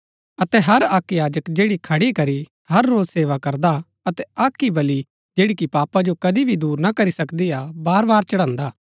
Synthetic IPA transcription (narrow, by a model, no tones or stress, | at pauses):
ɐt̪ɛɦɐɾaːkjaːd͡ʒəkd͡ʒeːɽikʰɐɽikɐɾi | ɦɐɾːoːzseːʋakɐɾd̪a | ɐt̪ɛaːkːibɐli | d͡ʒeːɽikipaːpad͡ʒokɐd̪ibʱid̪uːɾnakɐɾisɐkd̪iabaːɾbaːɾt͡ʃɐɽ̃ãːnd̪aː